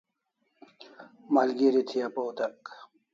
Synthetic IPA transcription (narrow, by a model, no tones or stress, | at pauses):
malɡiɾit̪ʰijapowt̪ɐk